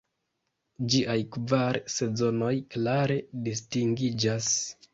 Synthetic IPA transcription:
d͡ʒiʔajkvaɾse̞zo̞no̞jklaɾe̞distiŋɡid͡ʒas

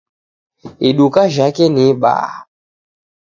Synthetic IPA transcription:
eɗukaʒakɛniɓa̰ː

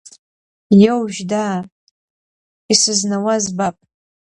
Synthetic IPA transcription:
jowʒᶣdaː | isɨznawazbapʼ

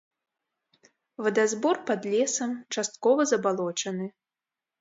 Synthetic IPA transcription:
vɐd̪azbɔrpɐd̪lʲɛsɐmt͡ʂast̪kɔvɐzɐbalˠɔt͡ʂɐnɨ

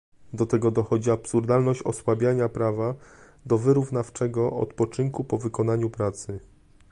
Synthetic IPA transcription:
d̪ɔt̪ɛɡɔd̪ɔxɔd͡ʑiapsuɾd̪alnɔɕt͡ɕɔswabʲjaɲapɾava | d̪ɔvɘɾuvnaft͡ʂɛɡɔʔɔ̰t̪pɔt͡ʂɘŋkupɔvɘkɔn̪aɲupɾat̪sɘ

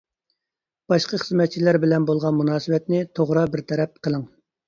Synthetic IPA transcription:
b̥ɑʃqɑχəzmɛt̪̚t͡ʃʰilæɾbɪlɛnbolˠʁɑnmunɑːsɨwɛt̪nɪt̪ʰoʁɾɑbɪɾt̪ʰɛɾɛp̚qʰəlˠɨŋ

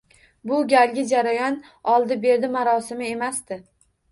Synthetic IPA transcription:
bʊɡʲalɡʲɪd͡ʒaɾajɒn | ɒlˠd̪ɪbe̞ɾd̪ɪmaɾɒsɪmɪe̞masd̪ɪ

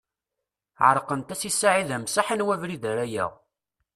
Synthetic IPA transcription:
ʕəɾˤqənt̪æsisːaʕiðæmsaħənwævɾiðæɾæjæ̰ʁ

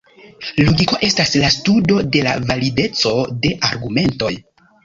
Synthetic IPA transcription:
loɡiko̞ʔe̞staslastudo̞de̞la̰valide̞t͡so̞de̞ʔaɾɡume̞nto̞̰j

